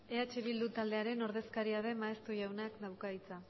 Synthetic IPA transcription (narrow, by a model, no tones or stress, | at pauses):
e̞at͡ʃeβ̞ild̪ut̪ald̪e̞aɾe̞no̞ɾð̞e̞skaɾiaðe̞maest̪uʝawnakd̪awkait͡sa